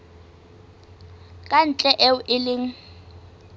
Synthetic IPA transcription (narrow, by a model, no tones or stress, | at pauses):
kʼan̩t͡ɬʼɛʔɛʊʔɪlɪːŋ̩